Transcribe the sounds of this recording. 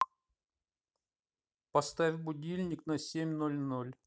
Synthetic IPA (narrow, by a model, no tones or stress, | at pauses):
pɐst̪avʲbʊdʲilʲnʲɪknɐsʲemʲnolʲnolʲ